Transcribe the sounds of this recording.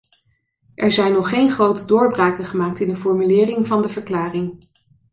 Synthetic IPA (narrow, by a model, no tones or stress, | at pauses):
ʔɛɹzɛjnɔχːejnχrowtədʊːɹbraːkəχəmaːk̚tɪndəfɔɹmylɪːrɪŋvɑndəvəɹklaːrɪŋ